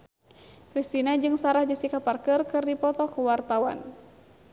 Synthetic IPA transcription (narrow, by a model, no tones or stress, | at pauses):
kɾist̪inad͡ʒɨŋsaɾahd͡ʒəsikaparkərkɨrdipɔt̪ɔkuwart̪awa̰n